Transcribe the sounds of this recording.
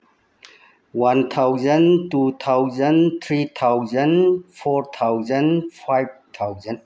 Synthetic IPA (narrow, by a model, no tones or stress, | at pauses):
want̪ʰawzəntut̪ʰawzənt̪ʰɾit̪ʰawzənfʰɔɾt̪ʰawzɐnfʰajb̚t̪ʰawzən